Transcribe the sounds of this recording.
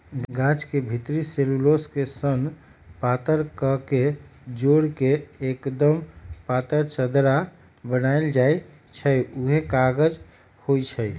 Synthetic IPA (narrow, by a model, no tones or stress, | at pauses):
ɡɡãt͡ʃkebʱit̪ɾiseluloskesən | pat̪əɾkəked͡ʒoɽkeːkd̪əmpat̪əɾt͡ʃəd̪ɾa | bənaeld͡ʒae | t͡ʃʰəuɦekaɡəd͡ʒ | hojt͡ʃʰə